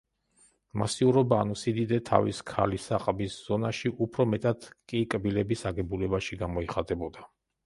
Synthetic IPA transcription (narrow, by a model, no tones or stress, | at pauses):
masiuɾɔbaːnusid̪id̪ɛt̪ʰa̰viskʰa̰lisaqʼbisz̥ɔnaʃiʔupʰɾɔmɛt̪ʼad̪̥kʼikʼbilɛbisaɡɛbulɛbaʃiɡamɔiχat̪ʼɛbɔd̪a